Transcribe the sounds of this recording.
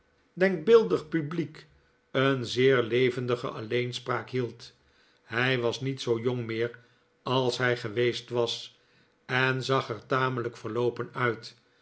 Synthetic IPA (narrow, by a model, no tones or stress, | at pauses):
dɛŋk̚bɪlˠdəχpyblik | ənzɪːɹlejvəndəχə̰ʔɑlejnspraːkɦilˠt | ɦɛjʋɑsnitsowjoŋmɪːɹ | ɑlˠsɦɛjχəʋejstʋɑs | ɛnzɑχɛɹtaːmələkfəɹlowpənœɥt